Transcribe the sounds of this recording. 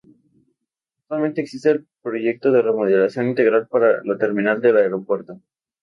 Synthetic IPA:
ak̚t̪walment̪eːksist̪eːlpɾo̞ʝe̞k̚t̪oðeremuðelasjo̞nint̪eɣɾalpaɾalot̪e̞ɾmĩnald̪elaeɾo̞pwe̞ɾt̪o

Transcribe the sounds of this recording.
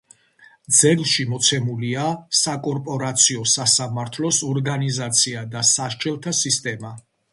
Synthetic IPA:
d̪zɛlˠʃimɔt̪sʰɛmuliasakʼɔɾpʼɔɾat̪sʰiɔsasamaɾt̪ʰlɔsɔɾɡanizat̪sʰiad̪asaʃt͡ʃʰʼɛlˠt̪ʰasist̪ʼɛma

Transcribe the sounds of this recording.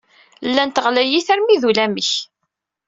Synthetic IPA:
lːænt̪əʁlæjiθæɾmiðulæməç

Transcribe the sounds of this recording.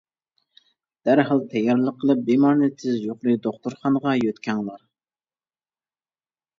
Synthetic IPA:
d̪̥æɾɦɑlˠt̪ʰɛjɑɾlˠəqʰːəlˠɨp̚bemɑɾnɨt̪ʰɪzjoqlˠɨd̪oχt̪oɾχɑnəʁɑjøt̪kʲʰɛŋlˠɑɾ

